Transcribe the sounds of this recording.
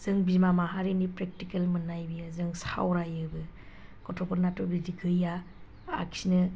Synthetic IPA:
z̥ɯŋbimamaɦaɾinipɾek̚tikelmɯnajbijazɯŋsa̰wɾajɯbɯ | ɡ̥ɔtʰɔpʰɔɾnatɔbidiɡɯja | a̰kʰsinɯ

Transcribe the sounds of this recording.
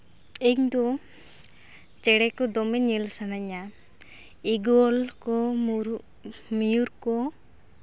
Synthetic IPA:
eɲd̪ɔ | t͡ʃɛɽɛkɔd̪ɔmɛɲilsanaɲa | iɡɔlkɔɾ | mijuɾkɔ

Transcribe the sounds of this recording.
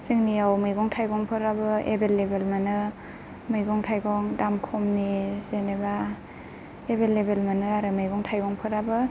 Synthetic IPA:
siŋniawmɯjɡɔŋtʰajɡɔŋpʰɯɾabɯḛbelːebelmanɯ | mɯjɡɔŋtʰajɡɔŋdamkʰɔmnizeneba | ebelːebelmanɯaɾɯmɯjɡɔŋtʰajɡɔŋpʰɯɾabɯ

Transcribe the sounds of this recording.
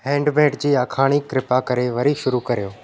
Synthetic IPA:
hɛ̃ːɳɖmeːʈd͡ʑiːakʰaːɽ̃ikɾɪpakɐɾeʋɐɾiʃʊɾukɐɾijoː

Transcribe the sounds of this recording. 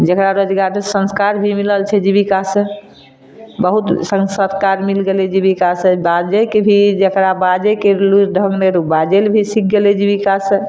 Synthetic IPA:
d͡ʒəkɾaɾod͡ʒɡaɾsə̃nskaɾbʱimiləlt͡ʃʰɛd͡ʒibikasə̃ | bəɦut̪səŋsət̪ʰkaɾmilɡelɛd͡ʒibikasə̃bad͡ʒekebʱid͡ʒəkɾabad͡ʒekeluɖʱə̃ɡneɾubad͡ʒelbʱisik̚ʰɡelɛd͡ʒibikasə̃

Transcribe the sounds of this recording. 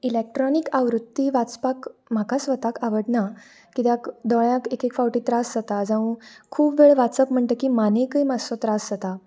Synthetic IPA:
ilek̚ʈɾɔnikaʋɾut̪ːiʋat͡spakm̤akasʋət̪akaʋəɽna | kit̪jakd̪ɔɭjãkekekfawʈiːt̪ɾasd͡zat̪ad͡zãʋũkʰuːbʋeɭʋat͡səpm̤əɳʈ̪əkimanẽkəjmasot̪ɾasd͡zat̪a

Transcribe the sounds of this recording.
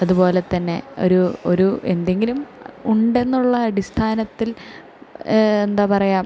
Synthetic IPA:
ɐðupo̞ːlet̪ːɐnːe̞̰o̞̰ɾuo̞ɾue̞nd̪e̞ŋɡilumuɳɖe̞nːuɭːɐːɽist̪ʰaːnɐt̪ːil | end̪aːpɐrɐjaːm

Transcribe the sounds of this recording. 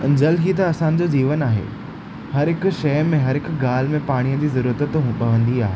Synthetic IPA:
d͡ʑɐlɦit̪̬ɐːsãnɪ̆d͡ʑod͡ʑiːʋənaːɦḛː | hɐɾɦɪkʊ̆ʃɐːmẽɦɐɾɦɪkʊ̆ɡaːl̤ɪmẽpaːɽ̃ijəd͡ʑiːzɐɾuɾət̪ət̪ɦũpɐʋə̃nd̪iaːɦeː

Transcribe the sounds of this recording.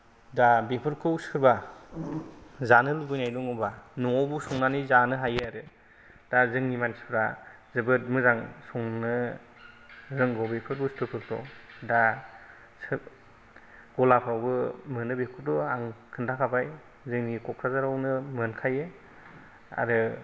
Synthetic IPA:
dabepʰɯɾkʰɯusɯɾba | zanɯlbɯjnajdɔŋɯbanɔŋɔbusɔŋnanizanɯɦajɯaɾɯ | d̥azɯŋnimanspʰɾa | zɯbɯt̚mɯzaŋsɔŋnɯ | ɾɯŋɡɔbepʰɯɾbɯstʰɯpʰɯɾ̚tɔ̰da | s | ɡ̥ɔlapʰɾawbɯmɯnɯbepʰɯɾdɔaŋkʰɯndakʰabaj | zɯŋnikɔkʰɾazaɾawnɯmɯnkʰaje | a̰ɾɯ

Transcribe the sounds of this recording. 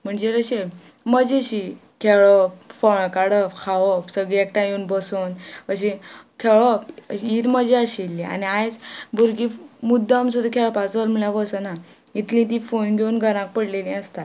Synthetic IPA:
m̤əɳd͡ʑeɾəɕe | məd͡ʑiɕi | kʰeɭɔpfɔɭ̃kaɽəpkʰaʋəpsəɡɭiek̚ʈajuːnbəsunəɕ̬ikʰeɭɔpiːt̪məd͡ʑeəɕilːia̰niajt͡sbʱuɾɡimud̪ʱːəamsud̪ʱakʰeɭpat͡sʋəlm̤uɭjaʋəsəna | it̪lĩt̪̬ĩfonɡʱeunɡʱəɾãk̚pəɽlelĩəst̪at̪

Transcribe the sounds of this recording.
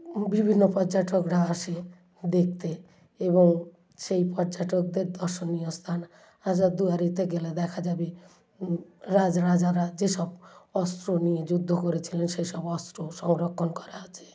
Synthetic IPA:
bibʱinːɔpɔd͡ʒaʈɔkɽʱaase | d̪ek̚ʰt̪e | ebɔŋ | seipɔd͡ʒaʈɔk̚d̪eɾd̪ɔɾsɔniɔst̪ʰan | asɔd̪uaɾit̪eɡelad̪ɛkʰad͡ʒabi | ɾad͡ʒaɾad͡ʒaɾad͡ʒesɔbɔst̪ɾonijed͡ʒud̪ʱːɔkɔɾit͡ʃʰilenisesɔbɔst̪ɾosɔ̃ŋɾɔkʰːɔnkɔɾat͡ʃʰe̥

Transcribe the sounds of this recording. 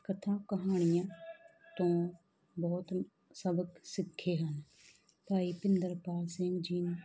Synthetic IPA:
kət̪ʰãːkəɦaːɳ̃ɪjãːt̪õː | bɔːt̪ | səbəksɪkʰːeːɦən | paːiːpɪnd̪əɾpaːlsɛ̃ːŋɡd͡ʒiːn

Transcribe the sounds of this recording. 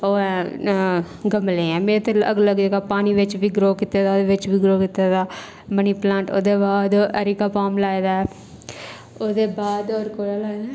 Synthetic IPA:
oːɛ̃ | ɡəmleːɛ̃ːmeːɾet̪eəɡləɡd͡ʒeːɡaːpaːniːʋɪt͡ʃʋiːɡɾoːkit̪eːd̪aod̪eːʋɪt͡ʃbiːɡɾoːkit̪at̪aː | məniːplãːɳʈo̰ːd̪eːbaːd̪əɾikaːpaːmlaːed̪aːɛ | oːd̪eːbaːd̪oːɾkoːɽaːlaːed̪aː

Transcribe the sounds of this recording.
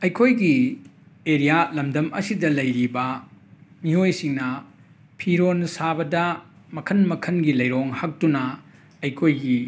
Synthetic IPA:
ɐjkʰojɡi | eɾijalɐmdɐmɐ̰sidɐlɐjɾibɐ | miojsiŋnɐ | pʰiɾonsabɐdɐ | mɐkʰɐnmɐkʰɐnɡilɐjɾoŋhɐk̚tunɐ | ɐjkʰojɡi

